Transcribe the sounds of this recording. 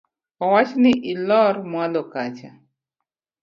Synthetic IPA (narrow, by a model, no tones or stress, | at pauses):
ɔwat͡ʃnɪʔilɔrmwalɔkat͡ʃa